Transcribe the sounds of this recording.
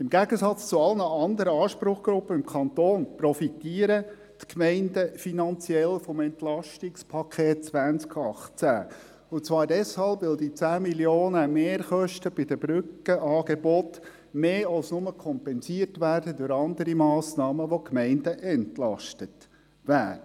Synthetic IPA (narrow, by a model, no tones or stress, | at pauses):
ɪmɡæɡəsɑt͡st͡sʊɑlnəɑnd̪əɾəɑːʃpɾʊχɡ̥ɾʊpːəɪmkʰɑnt̪oːnprɔfit̪iːəɾə | tkmɛɪndəfinɑnt͡siɛlfɔmɛnt̪lɑʃtɪkspʰɑkʰeːt̚t͡sʋænt͡skʰɑχt͡sæ̰ː | ʊt͡sʋɑːɾdɛshɑlpʋɪld̪it͡sæːmiljoːnəmeːɾχœʃtəb̥ɪd̥̪əbɾʏkːəʔɑːɡ̥ebɔt | meːɑlsnʊməkʰɔmpɛnsiərtʋæːrdədʊɾɑnd̪əɾimɑːsnɑːməʋokmɛɪndəʔɛntlɑ̰ʃtət | ʋæːɾə